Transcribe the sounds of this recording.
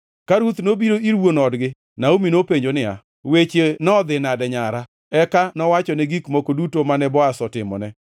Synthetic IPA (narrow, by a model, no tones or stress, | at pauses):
kaɾut̪nobiɾoiɾwonɔdɡɪ | naominopeɲd͡ʒonɪa̰ | wet͡ʃenɔd̪ɪnadɛɲaɾa | ɛkanɔwat͡ʃɔnɛɡikmokodutomanɛbɔasɔtɪmɔ̰nɛ